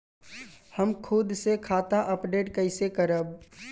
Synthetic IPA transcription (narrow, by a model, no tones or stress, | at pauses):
həmkʰud̪sekʰaːt̪aʔəpɖeːʈkəɪsekəɾəb̚